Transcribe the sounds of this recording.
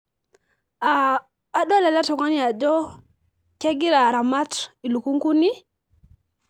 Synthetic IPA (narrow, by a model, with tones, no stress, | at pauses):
aː˨ | ɗo˦la˨la˦tɔ˨ŋa˦ni˦a˨d͡ʒɔ˦ | ke˦ɡi˦ɾa˨ɾa˨ma˦ti˨lu˨ku˦ŋku˦ni˦